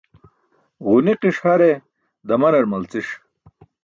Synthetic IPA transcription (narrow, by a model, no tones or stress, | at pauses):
ʁuniqiʂhɐɾe | d̪ɐmɐnɐɾmɐlt͡siʂ